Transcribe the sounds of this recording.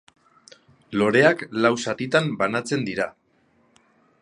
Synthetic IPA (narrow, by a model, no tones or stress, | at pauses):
lo̞ɾe̞aklawsat̪it̪ambanat͡se̞nd̪iɾa